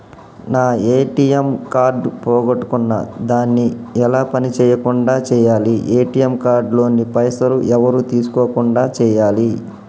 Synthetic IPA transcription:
naːeːʈijɐmkaːɾɖpɔːɡɐʈːu̥kunːɐ̰d̪aːnːiɛlaːpɐnit͡ʃɛːjɐkuɳɖaːt͡ʃɛːjaːliʔeːʈijɐmkaːɾɖlo̞ːnipɐjsɐɾuʔɛʋɐɾuːt̪iːsu̥koːkuɳɖaːt͡ʃɛːjaːli

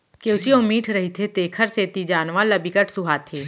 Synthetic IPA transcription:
keʊt͡ʃiʊmiːʈʰɾɐɦit̪ʰet̪eːkʰəɾseːt̪id͡ʒaːnʋalɐbikəʈʰsʊɦaːt̪ʰeː

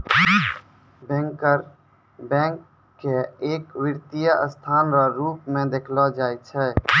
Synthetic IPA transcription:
bɛ̃ːŋkəɾ | bɛ̃ːŋkː | eeːkʋɪɾt̪ijaʔəst̪ʰaːnɾaɾuːpmẽd̪eːkʰlɔd͡ʒaːjt͡ʃʰɛ

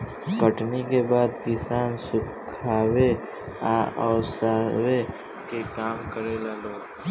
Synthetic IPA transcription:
kəʈnikebaːd̪kɪsaːnsʊ | kʰaːwe | aːʔɔːsaːwe | kekaːmkəɾelaːloː

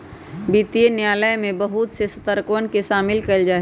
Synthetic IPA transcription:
biːt̪ijenjaːləjmẽbəɦʊt̪sesət̪əɾkoənkeʃaːmɪlkəld͡ʒaː

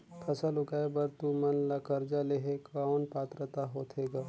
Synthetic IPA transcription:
pʰɐsalʊkaːebɐɾt̪umɐnlakɐɾd͡ʒaleɦekaʊnpaːt̪ɾət̪aɦoːt̪ʰeːɡaː

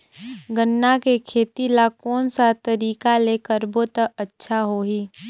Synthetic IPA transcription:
ɡənːakekʰeːt̪ilakɔːnsat̪ɐɾiːkaleːkəɾboːt̪əɐtːʃʰaɦoːɦiː

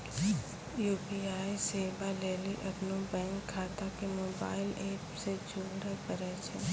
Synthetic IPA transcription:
juːbiaːiseːbaleːliʔɐpnobɛ̃ːŋkʰːaːt̪akemoːbaːɪleːpsed͡ʒʱʊːɡɾepəɾɛt͡ʃʰẽː

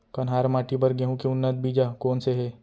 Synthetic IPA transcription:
kɐnɦaːɾmaːʈibɐɾɡeɦũkiʊnːət̪̚biːd͡ʒakoːnseɦe

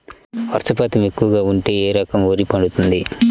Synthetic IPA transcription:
ʋɐɾsɐpaːt̪ɐme̞kːuʋɐɡaːuɳʈe̞ːeːɾɐkɐmo̞ːɾipɐɽut̪und̪i

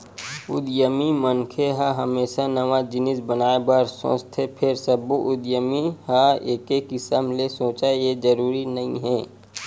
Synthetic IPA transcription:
ʊd̪jəmimənkʰeɦaɦɐmeːʃanɐʋad͡ʒɪnɪsbənaːebəɾsõ̰ːt͡ʃt̪ʰepʰɪɾsəbuʔʊd̪jəmiɦaeːkekɪsəmlesõːt͡ʃaejed͡ʒɐɾuːɾinɐɦḭ̃ɦɛː

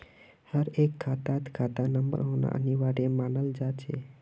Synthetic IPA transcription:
həɾekkʰat̪at̪kʰat̪anəmbə̰ɾona̰ʔə̰niʋaɾemanəld͡ʒat͡ʃʰḛ

